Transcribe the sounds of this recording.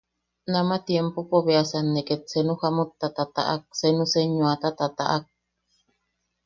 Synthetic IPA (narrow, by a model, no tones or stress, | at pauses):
namat̪jempopoβeasanːeket̪̚senuhamot̪ːat̪at̪a̰ʔa̰k̚senũseɲũat̪at̪at̪a̰ʔak̚